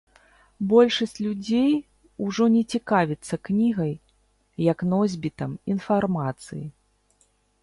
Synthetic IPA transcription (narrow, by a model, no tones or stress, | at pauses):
bɔlʲʂɐsʲt͡sʲlʲud͡zʲej | uʐɔnʲɛt͡sʲikavʲit̪sːɐknʲiɣɐjː | ɐknɔzʲbʲit̪ɐminfarmat̪sɨji